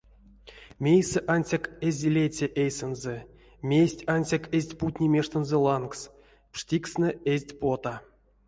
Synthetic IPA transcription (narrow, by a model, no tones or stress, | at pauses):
mʲejsɘʔanʲsʲakezʲlʲet͡sʲeʔejsɨnzɘ | mʲesʲtʲanʲsʲakezʲtʲput̪ʲnʲimʲeʂt̪ɤ̆nzɘ̆lˠɑnks | pʂtʲiksnəezʲtʲpot̪a